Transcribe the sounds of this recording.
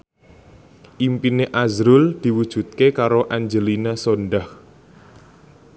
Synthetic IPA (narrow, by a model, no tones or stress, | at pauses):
ʔimpineʔazɾʊld̪̥i̤wud̥ʒ̥ṳt̪̚kekaɾoʔaɲd͡ʒəlinasonɖah